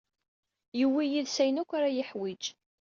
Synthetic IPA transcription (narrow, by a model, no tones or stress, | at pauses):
jəwːijiðsæjnækʷːaɾajəħwid͡ʒ